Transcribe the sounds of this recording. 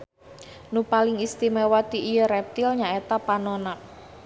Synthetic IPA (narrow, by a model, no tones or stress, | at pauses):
nupalɪŋist̪imewat̪iʔːjəɾɛp̚t̪ilɲaet̪apanona